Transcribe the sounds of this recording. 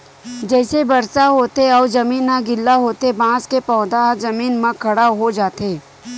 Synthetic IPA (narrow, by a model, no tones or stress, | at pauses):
d͡ʒɛːsebɐɾsaɦoːt̪eɔːzɐmiːnːaɡɪlːaɦoːt̪ebãːskepɔːd̪azɐmiːnmãkʰɐɽaɦod͡ʒaːt̪eː